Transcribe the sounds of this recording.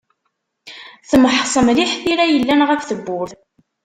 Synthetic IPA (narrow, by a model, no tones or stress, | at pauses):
θəməħsˤəmliħθiɾæjəlːænʁəfθəbːʊɾθ